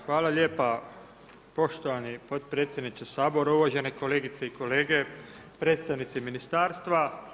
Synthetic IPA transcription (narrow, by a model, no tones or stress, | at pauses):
xʋaːlaʎe̞ːpa | po̞ʃt̪oʋanipo̞t̪̚pɾet̪sʲje̞d̪nit͡ʃ̪esaːbo̞ɾauʋaʒe̞neko̞le̞ːɡit̪seiko̞le̞ːɡe̞ | pɾe̞ːt̪st̪aʋnit̪siminist̪aːɾst̪ʋa